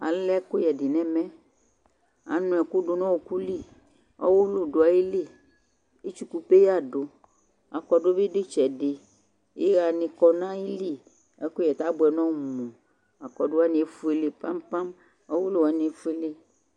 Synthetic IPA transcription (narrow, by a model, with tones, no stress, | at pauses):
a̰˨lɛ˦ko˦jɛ˨di˨nɛ̃˦mɛ̃˦ | a̰˨nũ˨ɛ˨ku˦ɖo˨nɔ̃˦wo˨ku˦li˦˨ | ɔ̰˦wo˦lo˦do˨a˨je˦li˦˨ | e˦t͡ʃu˦ku˦pe˦ja˦˨ɖo˨ | a˨kɔ˨ɖo˦be˦ɖe˦t͡ʃɛ˨ɖe˨ | je˦ɣa˨nĩ˨kɔ˨nã˦i˦li˦˨ | ɛ˨˦ko˦jɛ˨t̪a˦bʊ˨ɛ˨nɔ̃˦˨mũ˨ | a˨kɔ˨ɖo˦a˦nĩ˨e˦fu˦e˨le˨pa˦mpa˦m | ɔ˦wo˦lo˦wa˨nĩ˨e˦fu˦e˦le˦